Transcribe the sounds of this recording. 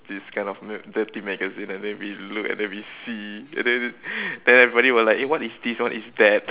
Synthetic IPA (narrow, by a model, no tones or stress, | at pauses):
d̥iskʰãɪ̃nɔfmɛdət̪imɛɡəzĩnɛ̃ndɛ̃nwilukɛ̰̃ndɛ̃nwisiɛ̰̃ndɛ̃ndɛ̃nɛvɹibɔɾiwəlaɪkewɔtisdiswãtisdɛt̚